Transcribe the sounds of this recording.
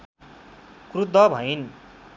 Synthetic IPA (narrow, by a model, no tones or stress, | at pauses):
krud̪ʱʌbʱʌin